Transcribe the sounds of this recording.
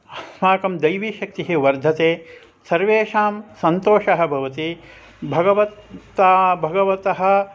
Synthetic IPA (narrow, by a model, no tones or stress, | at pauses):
ɐsmaːkɐmd̪ɐjʋiːʃɐk̚t̪iɦeʋɐɾd̪ʱɐt̪eː | sɐɾʋeːʂaːmsɐnt̪oːʂɐɦɐ̆bʱɐʋɐt̪i | bʱɐɡɐʋɐt̪ːabʱɐɡɐʋɐt̪ɐɦɐ̆